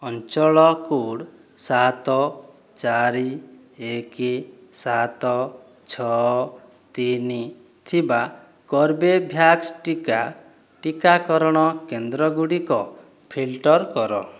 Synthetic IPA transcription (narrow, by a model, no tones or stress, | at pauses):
ɔnt͡ʃɔɭɔkuɽ | sat̪ɔ | t͡ʃaɾi | eki | sat̪ɔ | t͡ʃʰɔ | t̪ini | t̪ʰiba | kɔɾbebʱjaksʈika | ʈikakɔɾɔɽ̃ɔkend̪ɾɔɡuɽikɔ | pʰilʈɔɾkɔɾɔ